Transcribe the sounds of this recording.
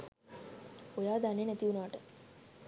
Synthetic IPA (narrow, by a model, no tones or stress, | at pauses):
ojaːd̪anenæt̪iunəʋaʈə